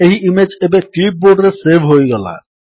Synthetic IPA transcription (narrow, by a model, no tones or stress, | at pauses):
eɦiʔimed͡ʒebeklip̚boɖɾesebʱɦojɡɛla̰